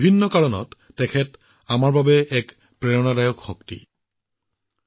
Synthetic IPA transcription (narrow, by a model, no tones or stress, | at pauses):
bʱinːɔkaɹɔnɔ̰tːɛkʰɛt | amaɹbabɛɛk | pɹɛɹɔnadajɔkxɔktḭ